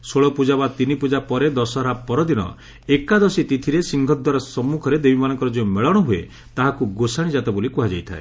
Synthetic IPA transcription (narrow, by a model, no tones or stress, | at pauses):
soɭɔpud͡ʒabat̪inipud͡ʒapɔɾed̪ɔsɔɾapɔɾɔd̪inɔ̰ | ekad̪ɔsit̪it̪ʰiɾesiŋɡʱɔd̪waɾɔsɔmːukʰɔɾed̪ebimanɔŋkɔɾɔd͡ʒemeɭɔɽ̃ɔɦue | t̪aɦakuɡosaɽ̃id͡ʒat̪ebolikuɦad͡ʒajt̪ʰa̰ḛ